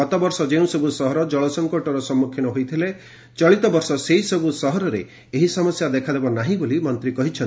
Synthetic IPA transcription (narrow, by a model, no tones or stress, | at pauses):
ɔt̪ɔbɔɾsɔd͡ʒeũsɔbusɔɦɔɾɔd͡ʒɔɭɔsɔŋkoʈɔɾɔsɔmːukʰinɔɦojt̪ʰile | t͡ʃɔɭit̪ɔbɔɾsɔseɦisɔbusɔɦɔɾɔɾeː | ɦisɔmɔsjad̪ekʰad̪ebɔnaɦĩbolimɔnt̪ɾikɔɦit͡ʃʰɔn